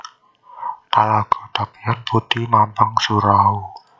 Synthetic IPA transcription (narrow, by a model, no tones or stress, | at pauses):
t̪alaɡ̥o̥t̪apianput̪imampaŋsuɾau